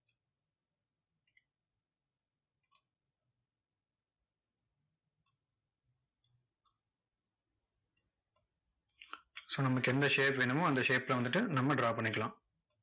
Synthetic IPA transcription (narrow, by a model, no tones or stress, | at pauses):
soːnɐmɐkːɯɛnd̪ɐʂeːpʋeːnɯmʊ̃ɐnd̪ɐʂeːpɪlɐʋɐnd̪ɯʈːɯnɐmːɐɖɾaːʋpɐɳːɪkːɐɭãː